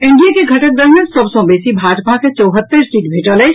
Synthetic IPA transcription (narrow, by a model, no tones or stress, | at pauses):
ɪɳɖijakeɡʱɐʈək̚d̪əɦnəsɐbsɔ̃beːsibʱaːd͡ʒpaket͡ʃɔːɦət̪ːəɾsiːʈbʱeːʈəle